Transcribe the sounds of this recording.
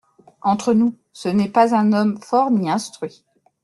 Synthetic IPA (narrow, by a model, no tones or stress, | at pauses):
ɑ̃t̪χənu | sənɛpazɛ̃nɔmfɔʁniɛ̃st̪χɥi